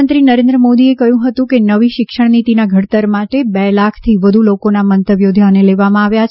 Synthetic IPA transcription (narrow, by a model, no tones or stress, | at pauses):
ənt̪ɾinəɾẽnd̪ɾəmod̪iekəjũɦət̪ũkenəʋiʃɪkʂəɳ̃nit̪inaɡʱəɽt̪əɾmaʈebɛlakʰt̪ʰiʋəd̪ʱulokonamənt̪əʋjod̪ʱjaneleʋamãaʋja